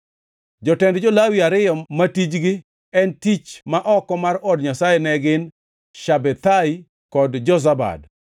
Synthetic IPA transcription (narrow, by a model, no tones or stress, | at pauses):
d͡ʒɔtɛndd͡ʒɔlawiaɾɪjɔmatid͡ʒɡɪ | ɛntit͡ʃmaʔɔkɔmarɔdɲasajɛnɛɡɪn | ʃabɛt̪ai | kɔdd͡ʒɔs̬aba̰d